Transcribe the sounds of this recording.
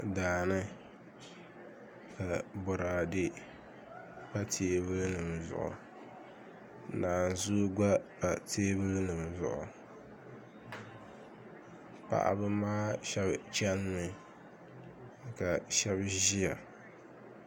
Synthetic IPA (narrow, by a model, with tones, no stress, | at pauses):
daː˨nɨ˦ | ka˨bʊ˨ɾaː˨dɪ˦ | pa˦tʰeː˨˦βɨ˦lnɨ˨m˨zʊ̰˨ʔʊ̰˨ | naː˨n˨zu˦ɡ͡ba˦pa˨tʰeː˦bɨ˦lnɨ˨m˨zʊ̰˨ʔʊ̰˨ | pa̰˨ʔa̰˨bɨ˦maː˦ʃɛ˦bt͡ʃɛ˦n˦nɨ˨ | ka˨ʃɛ˦bʒi˦ja˨